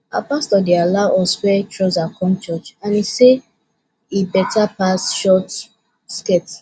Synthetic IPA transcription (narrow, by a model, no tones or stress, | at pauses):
a̰pastɔdealaʔɔswɛt͡ʃɹɔzakʰɔ̃mt͡ʃɔt͡ʃãnise | ibɛtʰapasʃɔt | skɛt